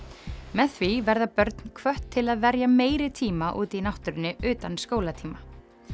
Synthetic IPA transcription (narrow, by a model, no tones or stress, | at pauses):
mɛðθvivɛɾðapœɾt̪n̥kʰvœht̪ʰːɪlaðvɛɾjameːjɾɪt̪ʰiːmaʔuːt̪inawht̪ʏɾɪnːɪʏːt̪anskoːwlat̪ʰiːma